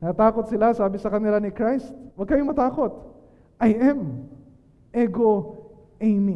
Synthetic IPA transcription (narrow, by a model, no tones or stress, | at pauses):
nɐt̪aːko̞t̪sɪlasaːbɪsɐkɐmɛɾanɪkɾajst̪̚wɐɡ̚kɐjomɐt̪aːko̞t̪̚ | ʔajʔɛm | ʔɛɡo | ejmi